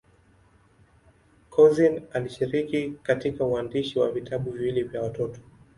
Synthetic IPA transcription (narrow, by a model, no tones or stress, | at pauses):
kʰɔzinaliʃiɾikikatikauandiʃiwavitʰaɓuvilivjawatɔtɔ̥